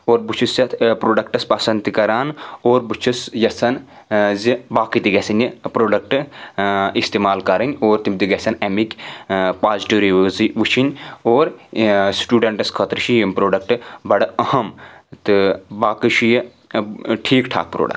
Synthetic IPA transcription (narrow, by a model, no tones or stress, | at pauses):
oːɾbut͡ʃʰusjɐt̪pɾoːɖɐkʈɐspɐsɐnd̪t̪ikɐɾaːnoːɾbut͡ʃʰusjɐsɐn | zibaːkit̪iɡɐsʲɐnʲipɾoːɖɐk̚ʈɨ | ist̪eːmaːlkɐɾɐnʲoːɾt̪imt̪iɡɐsɐnemikʲpaːzʈuːɾiziʋut͡ʃʰinʲoːɾsʈuːɖɐɳʈɐskʰɐt̪ɾɨʃijɐmpɾoːɖɐk̚ʈɨbɐɽɐɐhɐmt̪ɨbaːkɨʃiji | ʈʰiːkʈʰa̰ːk̚pɾo̰ːɖɐ̰k̚ʈ